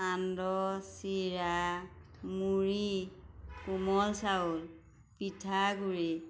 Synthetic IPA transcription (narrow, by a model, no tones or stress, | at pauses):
andɔsiɹa | muɹi | kumɔlsaul | pitʰaɡuɹi